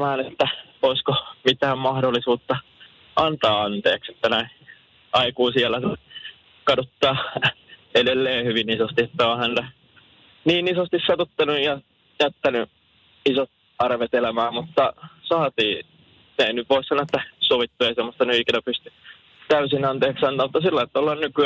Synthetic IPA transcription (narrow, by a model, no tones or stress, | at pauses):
mæːnet̪ːæ | oiskomit̪æːmmɑhdolːˑisuːt̪ːɑ | ʔɑnt̪ɑːɑnt̪eːkset̪ːænæi | ʔɑikuːsiælːˑæse | kɑdot̪ːɑː | edelːeːhyʋinisost̪iet̪ːæõːhænt̪æ | niːnisost̪issɑt̪ot̪ːɑnujjɑ | jæt̪ːæny | isot̪ | ɑrʋet̪elæmæːmmut̪ːɑsɑːt̪iː | neˑinyʋʋoˑissɑnːˑoet̪ːæsoʋit̪ːueisemːost̪ɑnyikinæpyst̪y | t̪æysinɑnt̪eːksɑnt̪ɑːmut̪ːɑsilːɑet̪ːæolːɑnnyky